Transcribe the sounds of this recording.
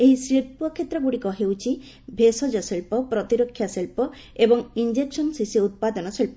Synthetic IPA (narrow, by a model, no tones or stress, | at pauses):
eɦisɾiɾ̚puɔkʰːet̪ːɾɔbuɽikɔɦewt͡ʃʰi | bʱesɔd͡ʒɔsilpɔpɾɔt̪iɾɔkʰːjasilpɔ | ebɔŋind͡ʒeksɔnsisiut̪̚pad̪ɔnɔsilpɔ